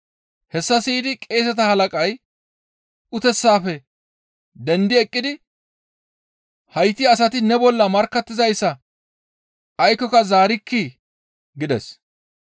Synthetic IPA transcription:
hɛsːɐsiːd̪ɪkʼe̞ːs̬ɐt̪ɐhɐlɐkʼɐj | ʔʊt̪ɛsːaːfɛ | d̪ɛnd̪ɪɛkʼːɪd̪ɪ | hɐjt̪ːɪɐsɐt̪ɪnɛbɔlːɐmɐɾkːɐt̪ːɪzɐjsːɐ | ɐjkːɔkɐzaːɾɪkːi | ɡɪd̪ɛ̰s

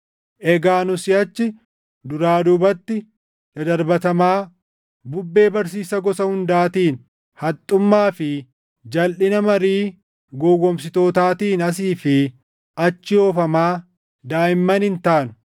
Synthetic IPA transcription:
ʔɛɡaːnʊsɪɐt͡ʃːɪ | d̪ʊɾaːd̪ʊbɐt̪ːɪ | d̪ɐd̪ɐɾbɐt̪ɐmaː | bʊbːe̞ːbɐɾsiːsɐɡɔsɐhʊnd̪aːt̪iːn | hɐt̪ʼːʊmːaːfɪ | d͡ʒɐlʔɪnɐmɐɾiː | ɡɔwɔmsɪt̪o̞ːt̪aːt̪iːnɐs̬iːfɪ | ʔɐt͡ʃːɪoːfɐmaː | d̪aːjɪmːɐnhɪnt̪aːnʊ̥

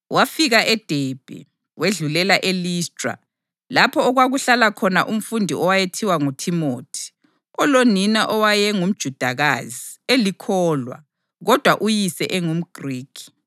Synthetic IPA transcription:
wafiɣaʔɛd̥ʱɛb̥ʱɛ̰ | weɮulɛlaʔeliːstʼra̰ | lapʰɔːɣwaɣuɬalakʰɔnaʔum̩fundʱiɔwajetʰiwaŋutʰimoːtʰi̥ | ɔloninaʔɔwajɛŋum̩d̥ʒ̥ʱud̥ʱaɣa̰zielikʰɔːlwa̰ | ɣɔd̥ʱwaʔujisɛʔɛŋum̩ɡ̥ʱriːkʰi̥

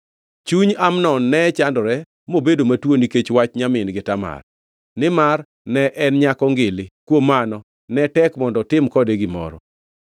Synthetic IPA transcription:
t͡ʃuɲamnɔnːɛt͡ʃandɔɾɛ | mobedomatwoniket͡ʃwat͡ʃɲamɪnɡɪtama̰r | nɪmar | nɛʔɛnɲakɔŋɡɪlɪkwomanɔ | nɛtɛkmɔndɔtɪmkɔdeɡɪmɔ̰ɾɔ̰

